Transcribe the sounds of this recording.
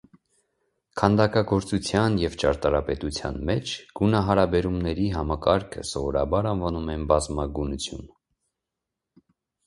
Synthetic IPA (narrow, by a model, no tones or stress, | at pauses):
kʰɑnd̪ɑkɑɡɔɾt͡sut͡sʰjɑnjɛvt͡ʃɑɾt̪ɑɾɑpɛt̪ut͡sʰjɑ̰nmɛt͡ʃʰɡ̥unɑɦɑɾɑbɛɾumnɛɾiɦɑmɑkɑɾkʰə̰sɔvɔɾɑ̰bɑɾɑnvɑnumɛnbɑzmɑɡunut͡sʰjṵn